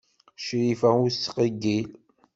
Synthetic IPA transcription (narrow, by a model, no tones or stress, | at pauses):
ʃɾifæusqəɡil